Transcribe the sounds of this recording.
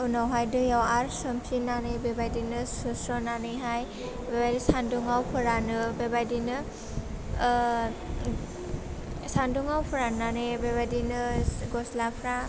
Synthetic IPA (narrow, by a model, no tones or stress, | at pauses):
wnawɦajdɯjawaɾsɔmsinanɯjbebajdinɯsɔsɾɔnanɯjɦaj | bebajdisanduŋawpʰɯɾanɯbebajdinɯ | sanduŋawpʰɯɾannanɯjbebajdinɯɡɔslapʰɾa